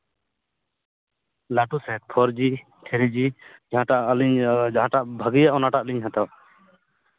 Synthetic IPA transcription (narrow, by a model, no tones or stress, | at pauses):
laʈusɛt̪̚pʰɔɾd͡ʒi | tʰɛɾid͡ʒid͡ʒaɦãʈaʔliɲd͡ʒaɦãʈaʔbʱəɡijaʔɔnaʈaʔliɲɦãt̪a